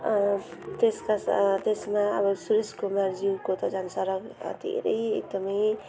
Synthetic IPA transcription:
t̪eskast̪esmaʌ̰bʌsuɾeskumard͡ziwkot̪ʌd͡zʌnsʌɾʌɡ̰d̪ʱḛɾʌjḛk̚d̪ʌmʌj

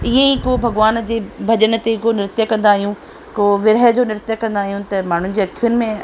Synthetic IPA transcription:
iẽikobʱɐɡʋaːnd͡ʑeːbʱɐʄəɽ̃ə̆t̪ekonɪɾɪt̪jəkɐ̃nd̪aːɦijũ | koʋɪɾɦd͡ʑoːnɪɾt̪jəkɐ̃nd̪aːɦijũt̪ɐmaːɳ̤ʊnɪ̆d͡ʑeːɐkʰiʊnɪ̆mẽ

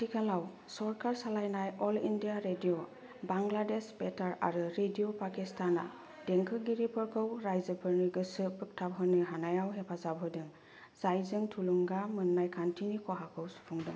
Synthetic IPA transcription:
tʰikʰalaw | sɔɹkaɹsalajnajɔlḭndijaɾedijo | baŋɡladesbetaɹa̰ɾɯɾediopakistʰana̰ | d̥eŋkʰɯɡiɾipʰɔɹkʰɯwɾajzɯpʰɯɹniɡɯsɯpɯk̚tʰabɦɯnɯɦanajawɦepʰazabɦɯdɯŋ | z̥ajzɯŋtʰuluŋɡamɯnːajkʰantʰinikɔɦakʰɯwsu̥pʰuŋdɯŋ

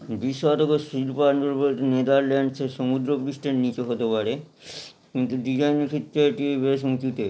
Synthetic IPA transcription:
biʃːoad̪oɡosilpaɾɳoɾpot̪ned̪aɾlɛɳɖsʰeʃomud̪ɾopuɾiʃʈeɾnit͡ɕeɦot̪epaɾe | kint̪uɖid͡ʑajnkʰit̪ːaʈiebes̬ut͡ɕut̪e

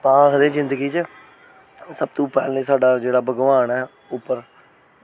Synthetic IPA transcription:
paːsd̪eːzɪ̃nd̪əɡiːt͡ʃə | səb̚t̪õːpɛːlneːsaːɖaːd͡ʒeːɽaːbəɡʋaːnɛː | ʊpːəɾ

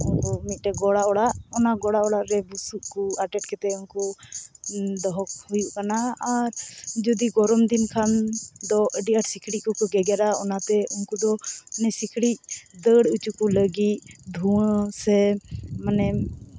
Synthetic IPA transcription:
unkɔmit̪̚ˀʈɛɡɔɽaʔɔɽaʔɔnaɡɔɽaʔɔɽaʔɾɛbusuʔkuaʈɛʈ̚kɛt̪ɛunkɔ | d̪ɔɦɔk̚hujuʔkanaaɾd͡ʒɔd̪iɡɔɾɔmd̪inkʰand̪ɔʔəɖiʔaʈsikʰɽikɔkʰɔɡɛɡɛɾaɔnat̪ɛunkud̪ɔnɛsikʰɽic̚d̪əɽut͡ʃukuləɡit̪̚d̪ʱusɛmanɛ

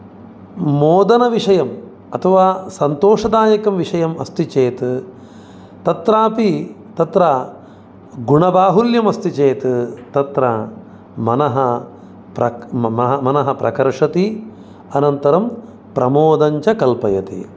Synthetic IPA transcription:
moːd̪ɐnɐʋiʂɐjɐm | ɐt̪ʰɐʋaːsɐnt̪oːʂɐd̪aːjɐkɐmʋiʂɐjɐmɐst̪it͡ʃeːt̪ | t̪ɐt̪ɾaːpi | t̪ɐt̪ɾɐ | ɡuɳɐbaːɦuljɐmɐst̪it͡ʃeːt̪t̪ɐt̪ɾɐ | mɐnɐɦɐ | pɾɐmɐɦɐmɐnɐɦɐpɾʔɐ̰kɐɾʂɐt̪i | ɐnɐnt̪ɐɾɐm | pɾɐmoːd̪ɐɲt͡ʃɐkɐlpɐjɐt̪ḭ

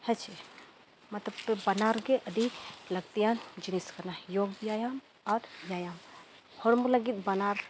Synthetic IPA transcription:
hɐt͡ʃʰi | mɐt̪lɐbbɐnaːɾɡeʔɐd̪ʱiklɐɡt̪ijaːnd͡ʒiniskɐnajoːɡ̚bijaːjaːm | ɔːɾjaːjaːm | hoɾmulɐɡit̪bɐnaːɾ

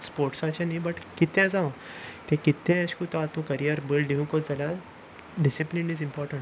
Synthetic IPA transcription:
spoɾʈsat͡ɕãnĩbəʈkit̪ẽd͡zãw̃t̪ẽkit̪ẽɕkut̪ãt̪ũkəɾijəɾbəlɖiũkod͡zəla | ɖisiplinizimpɔɾʈə̃ɳʈ

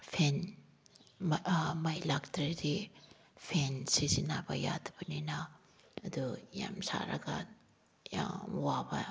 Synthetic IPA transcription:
pʰen | mɐjlaktɾidi | pʰensisinabɐ̰ja̰dbɐninɐ | ɐd̪uja̰msa̰ɾɐ̰ɡa | jawabɐ

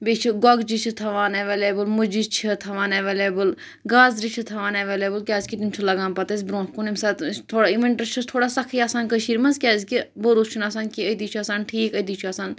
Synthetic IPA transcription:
bet͡ʃʰiɡɔɡd͡ʒit͡ʃʰit̪ʰɐʋaːneʋeːleːbɨlmud͡ʒit͡ʃʰit̪ʰɐʋaːneʋeːleːbɨl | ɡaːzɾit͡ʃʰit̪ʰɐʋaːneʋeːleːbəlkʲaːzkit̪umt͡ʃʰulɐɡaːnpɐt̪es̬bɾõːtkunemsaːt̪t̪ʰoːɽaiʋeɳʈɐt͡ʃʰut̪ʰoːɽaːsɐkʰiaːsaːnkəʃiːɾmɐnzkʲjaːzkiboɾust͡ʃʰunaːsaːnkiəd̪iːt͡ʃʰuɐsaːnʈʰiːkɐd̪iːt͡ʃʰuɐsaːn

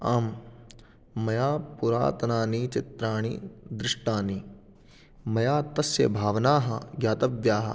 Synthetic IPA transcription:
aːm | ɐjaːpuɾa̰ːt̪ɐnaːnit͡ʃɪt̪ɾaːɳ̃ḭd̪ɾɪʂʈaːni | mɐjaːt̪ɐsjɐbʱaːʋɐnaːɦɐɡjaːt̪ɐʋjaːɦɐ̰

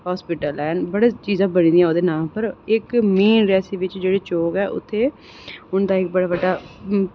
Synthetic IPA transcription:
ɦaːspɪʈəlɛːnbəɽeːt͡ʃiːzãːbəñĩːd̪ĩjãoːd̪eːnaːpəɾɪkmeːnɾɛːsiːʋɪt͡ʃd͡ʒeːɽeːt͡ʃoːkɛːʔʊ̰t̪ʰːeː | ʊnd̪aːɪk̚bəɽaːʋəɖːaː

